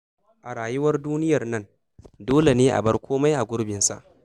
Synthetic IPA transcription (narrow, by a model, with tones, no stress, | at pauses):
ʔa˨ɾaː˨jʊ˦wɐ˦rduː˦nɪ˦jɐ˨rnɐ˦n | doː˦le˨neː˦ʔa̰˨bɐ˦rkʷʰoː˦ma˦jʔa˨ɡʷʊ˦ɽbɪ˨nsa̰˨ʔ